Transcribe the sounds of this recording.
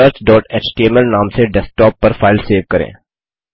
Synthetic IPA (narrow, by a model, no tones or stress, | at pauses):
əɾʈɖɔːʈeːt͡ʃʈieməlnãːmseɖɛsʈɔːpːəɾfʰaːɪlseːʋkɐɾḛ̃ː